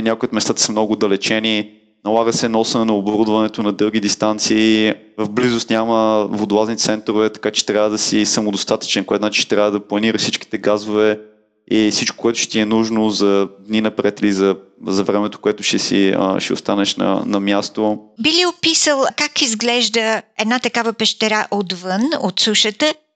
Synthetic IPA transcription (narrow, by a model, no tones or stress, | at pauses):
nʲakoʊjʊt̪mɛst̪at̪ə̥sɐmnɔɡʊd̪ɐlɛt͡ʃɛni | nɐlˠaɡəsɛnɔsɐnɛnɐoboɾud̪vɐnɛt̪onɐd̪ɤlˠɡ̟id̪ist̪ant̪siː | vəvblizʊst̪nʲaməvod̪lˠaznit̪sɛnt̪ɾovɛt̪ɐ̥kat͡ʃɛ̥t̪ɾjavəd̪ɐsisɐmʊd̪ost̪at̪ə̥t͡ʃɛnkoɛt̪at͡ʃi̥ʃt̪ɾʲavəd̪ɐplˠɐniɾəsit͡ʃki̥t̪ɛɡazʊvɛ | ifsit͡ʃko̥kʊɛt̪ʊʃt̪iɛnuʒnozɐd̪ninɐpɾɛt̪ilizɐzɐvɾɛmɛt̪o̥koɛt̪ʊ̥ʃɛsiə̰ʃɛ̰o̰st̪anɛʃnɐ̰nɐmjast̪obiliopisəlˠkakizɡlɛʒd̪əɛd̪nat̪ɐkavəpɛʃt̪ɛɾaʔot̪vənot̪suʃət̪ə